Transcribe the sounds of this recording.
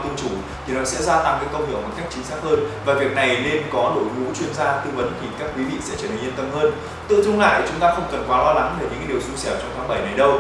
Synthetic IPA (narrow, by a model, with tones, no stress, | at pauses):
t̪ɨ˧əŋt͡ɕu˧˩i˨˩nɔ̰˧˨˥sɛ̰˧˥zaː˧t̪a˧˩ŋka̰˨˦˥kə˧wŋ͡mt̪ɨ̰˨˩əŋ̚mo˨˩t̚ka˦˥jk̚t͡ɕi˨˦ŋ̟saː˦˥k̚həː˧nvaː˨˩vi˨˩ək̚na˨˩jne˧nkɔ˨˦lo̰˧˨jŋṵ˧˥t͡ɕwi˧ənzaː˧t̪ɨ˧və˨˦nt̪ʰi˨˩kaː˦˥k̚ːwi˨˦vḭ˧˨sɛ̰˧˥t͡ɕəː˧˩n˨˩ŋɲi˧ənt̪ə˧mhəː˧n | t̪ɨ̰˧˨zʊ˧ŋ͡mla̰ː˧˨jt͡ɕʊ˨˦ŋ͡mt̪aː˧xə˧wŋ͡mkə˨˩nkwaː˨˦lɔː˧la˨˦ŋve˧˨˩ɲɨ̰˧˥ŋ˦ɗi˨˩əwsu˧sɛ˧˩wt͡ɕɔ˧wŋ͡mt̪ʰaː˨˦ɓə˧˩jnə˨˩jɗə˧w